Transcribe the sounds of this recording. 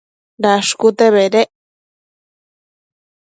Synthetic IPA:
ɾaʂkut̪eβeɾeʔ

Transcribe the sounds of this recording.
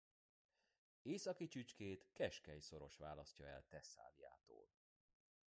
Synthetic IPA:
eːsɒkit͡ʃyt͡ʃkeːt̪kɛʃkɛjso̞ɾo̞ʃʋaːlɒscɒɛ̰lt̪ɛsa̰ːlija̰ːt̪o̰ːl

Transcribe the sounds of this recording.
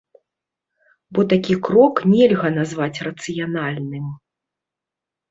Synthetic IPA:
bɔt̪akʲikɾɔknʲɛlʲɣɐnazvat͡sʲrɐt̪sɨjanalʲnɨm

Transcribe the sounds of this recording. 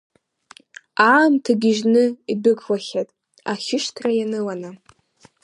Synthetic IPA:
aːmtʰaɡʲɪʒnɨidɨkʰʷʼwaχʲatʼ | aχʲɪʃtʰrajanɨwana

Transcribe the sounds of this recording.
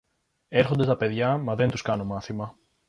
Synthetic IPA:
e̞ɾxo̞nd̪est̪ɐpe̞ðʝɐmɐðe̞nt̪uskɐno̞mɐθimɐ

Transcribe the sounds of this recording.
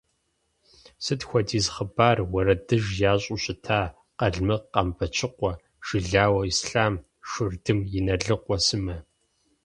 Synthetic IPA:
sɨtxʷɔdiːzχəbaːrwɐɾɐdɨʒjaːɕʼʊɕʼɪtʰaː | qɐɮmɨqɐmpʰɐt͡ʃʰɨqʷɔ | ʒ̥ɪɮaːwɐisɬaːm | ʃɨrdɨmjɪnɐɮɨqʷɔsɨmɐ

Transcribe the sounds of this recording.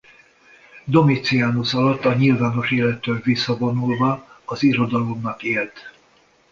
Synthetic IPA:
d̪o̞mit̪siaːnosɒlɒt̪ːɒɲilvaːno̞ʃeːlɛt̪ːøvisːɒvo̞nulvɒɒziɾo̞d̪ɒlomnɒkeːlt̪

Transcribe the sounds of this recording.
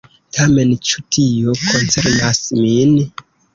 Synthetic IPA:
tʰame̞nt͡ʃutʰijo̞kʰo̞nt͡se̞ɾnasmin

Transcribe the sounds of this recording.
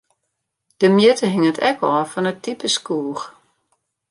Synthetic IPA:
d̥əmjɪtʰəɦɪŋətʰɛkʰɔːfɔnətʰipəskuːəx

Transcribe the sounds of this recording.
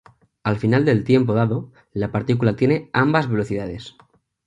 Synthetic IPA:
alfinald̪e̞lt̪je̞mp̬o̞ð̞aðo̞ | lapaɾt̪ikulat̪je̞neambazβe̞lo̞θiðað̞e̞s

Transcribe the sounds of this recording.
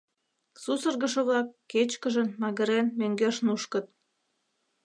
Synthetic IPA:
susə̆rɣə̆ʃə̆βlɑkːet͡ɕkəʒənmɑɣə̆ɾenmøŋɡeʃnuʃkə̆t̪̚

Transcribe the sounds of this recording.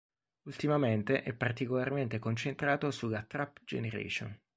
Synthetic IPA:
ult̪imament̪eʔɛpːart̪ikolarment̪ekont͡ʃent̪ɾaːt̪osulːat̪ɾapd͡ʒḛneɾḛːt͡ʃo̰n

